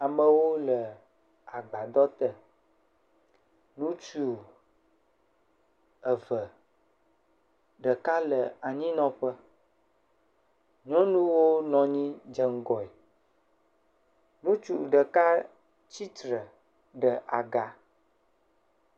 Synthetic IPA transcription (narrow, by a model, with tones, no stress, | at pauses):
a˨mə̃˨wo˦lə˨ | a˨ɡ͡ba˨d̪ɔ˦t̪ə˦ | nũ˦t͡ʃu˨ | ə˨və˨ | ɖə˨ka˦lə˨a˨ɲĩ˦nɔ̃˦ɸə˦ | ɲɔ̃˦nũ˦wo˦nɔ̃˨ɲĩ˦d͡ʒə˦ŋ˦ɡɔ˨ɛ˨ | nũ˦t͡ʃu˨ɖə˨ka˦ | t͡ɕi˦t̪ɾə˨ | ɖə˨ʔa˨ɡa˨